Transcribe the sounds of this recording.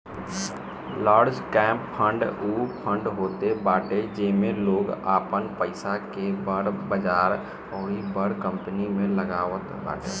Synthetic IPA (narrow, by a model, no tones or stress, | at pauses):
laːɾd͡ʒkɛ̃ːmppʰə̃ɳɖupʰə̃ɳɖɦoːt̪ebaːʈed͡ʒeːmẽloːɡaːpənpəɪsakebəɽbəd͡ʒaːɾ | ɔːɾibəɽkə̃mpənimẽləɡaːʋət̪ba̰ːʈḛ